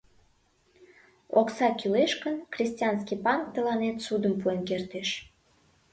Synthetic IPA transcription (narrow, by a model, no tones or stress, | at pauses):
oksɑkyleʃkənkrʲisʲt̪ʲiɑns̬kipɑnk̚t̪əlɑnet̪sud̪əmpuenkert̪eʃ